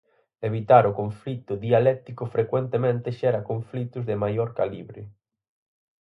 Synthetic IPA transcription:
eβ̞it̪aɾʊkoɱflit̪ʊðialɛt̪ikʊfɾekwent̪emẽnt̪ɪʃɛɾakoɱflit̪ʊzðɪmajoɾkalḭβɾɪ

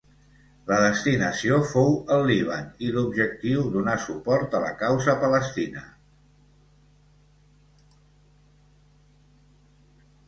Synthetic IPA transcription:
ləðəst̪inəsiofowəlˠːiβ̞ənilubʒək̚t̪iwðunasupɔɾt̪ələ̰kawzəpələst̪inə

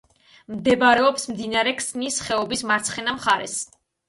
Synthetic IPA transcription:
md̪ɛbɾɛɔpsmd̪inaɾɛkʰsnisχɛɔbismaɾt̪sʰχɛnamχaɾɛ̰s

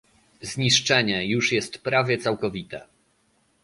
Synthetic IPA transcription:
zɲiʂt͡ʂɛɲɛjuʂjɛst̪pɾavʲjɛt̪sawkɔvʲit̪ɛ̰

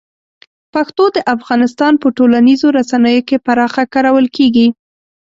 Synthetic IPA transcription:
paxt̪od̪əʔafɣɑnɪst̪ɑnpəʈolanizoɾasanəjokepaɾɑxakaɾawəlkeɡi

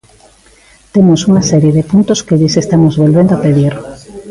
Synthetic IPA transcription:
t̪emosuŋasɛɾjeðepunt̪oskeðisest̪amozβolβẽnd̪oapeðiɾ

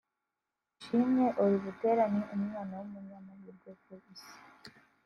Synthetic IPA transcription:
ʃimɲeʔuɾiβute̞ːɾaɲeʔumŋaːnawumuɲɲaːnajiɾɡoɡoisi̥

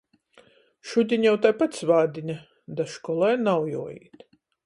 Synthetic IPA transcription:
ʃud̪ʲiɲʲjawt̪ajpat̪svaːd̪ʲiɲʲa | d̪aʃkɔlˠɛjnawjṵɔjḭːt̪

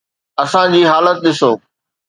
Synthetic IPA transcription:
ɐsãd͡ʑiːɦaːlət̪̚ɗɪsoː

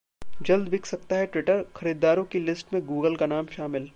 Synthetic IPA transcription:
d͡ʒɐld̪ʋɪkʰsɐk̚t̪aɦɛʈʋɪʈəɾxɐɾiːd̪ːaːɾõkilɪsʈmẽɡuːɡəlkanaːmʃaːmɪl

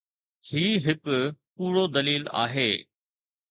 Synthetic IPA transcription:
hiːɦɪkʊpuːɽod̪ɐliːla̰ːɦeː

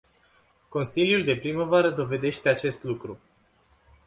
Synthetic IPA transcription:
ko̞nsiljuld̪e̞pɾiməvaɾəd̪o̞ve̞d̪e̞ʃt̪eat͡ʃe̞st̪lukɾu

